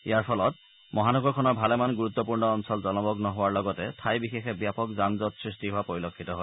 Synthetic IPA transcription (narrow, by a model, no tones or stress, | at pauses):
ijaɹpʰɔlɔt | mɔɦanɔɡɔɹkʰɔnɔɹbʱalɛmanɡuɹut̪ːɔpuɹnɔːnsɔlzɔnɔbɔknɔɦowaɹlɔɡɔtɛtʰajbixexɛbjapɔkzanzɔtsɹistiɦʊapoɹilokʰːitɔɦoj